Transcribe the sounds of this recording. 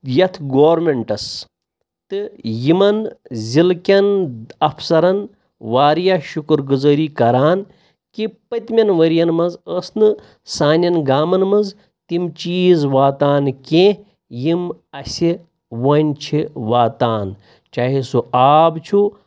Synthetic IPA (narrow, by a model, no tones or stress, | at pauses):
jɐt̪ʰɡoːɾmeɳʈɐs | t̪ɨjimɐnzʲilkʲɐnɐfʰsɐɾɐn | ʋaːɾjaːʃukɨɾɡuzɐɾiːkɐɾaːn | kipɐt̪mʲɐnʋɐɾjɐnmɐnzəːsnɨ | saːnʲɐnɡaːmɐnmɐz | t̪imt͡ʃiːzʋaːt̪aːnkẽː | jimɐsʲi | ʋɐnʲt͡ʃʰiʋaːt̪aːn | t͡ʃaːɦisuaːbt͡ʃʰu